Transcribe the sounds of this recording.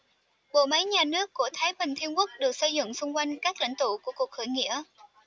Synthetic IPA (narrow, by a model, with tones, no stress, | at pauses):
ɓo̰˧˨mə˨˦jɲaː˨˩nɨ˦˥əkːu˧˩ət̪ʰaː˨˦jɓï˨˩ŋ̟t̪ʰi˧ənkək̚ɗɨ˨˩ək̚sə˧jzʊ̰˧˨ŋ͡msʊ˧ŋ͡mkwa˧jŋ̟kaː˦˥k̚la̰˧˨ŋ̟t̪ṵ˧˨ku˧˩əku˨˩ək̚hə˧˩jŋḭ˧˥ə